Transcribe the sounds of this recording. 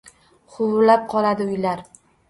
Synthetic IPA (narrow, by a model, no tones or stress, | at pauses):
χʰʊwʊɾlap̚qʰɒlˠad̪ɪʊjlaɾ